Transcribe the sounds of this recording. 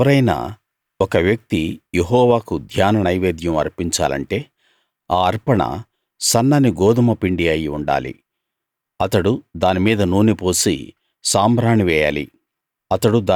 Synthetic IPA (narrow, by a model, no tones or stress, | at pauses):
ɐɾɐjna̰ː | ɔkɐʋjɐk̚t̪ijeɦɔːʋaːkud̪ʱjaːnɐnɐjʋeːd̪jɐmɐ̰ɾpiɲt͡ʃa̰ːlɐ̰ɳʈe̞ː | aːɐɾpɐɳɐ̰ | sɐnːɐniɡoːd̪umɐpiɳɖiɐjiuɳɖa̰ːlḭ | ɐt̪ɐɽud̪aːnimiːd̪ɐnuːnipoːsḭ | saːmɾaːɳiʋɛːja̰ːlḭ | ɐt̪ɐɽud̪aː